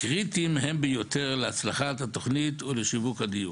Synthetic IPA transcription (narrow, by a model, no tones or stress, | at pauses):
kʁit̪imɦembejot̪eʁleat͡slaχatat̪oχnit̪uleʃivukhad̪iju